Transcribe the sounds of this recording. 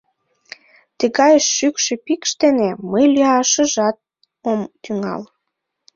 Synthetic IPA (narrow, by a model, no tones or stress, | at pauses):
t̪əɣɑjəʃːykʃĕpikʃt̪eneməjlyɑʃə̆ʒɑt̪̚ | omt̪yŋɑ̰l